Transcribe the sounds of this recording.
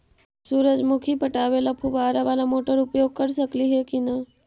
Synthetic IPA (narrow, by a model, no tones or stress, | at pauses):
suɾəd͡ʒmukʰipəʈaʋelapʰubaɾaʋalamoʈəɾʊpjoɡ̚kəɾsəkliɦekina